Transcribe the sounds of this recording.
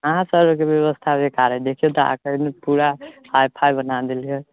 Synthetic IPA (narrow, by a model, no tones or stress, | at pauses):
əɦãsəɾkebjeβəst̪ʰabekaɾɛd̪ekʰijet̪ɔa̰kənepuɾahajpʰajbənad̪elie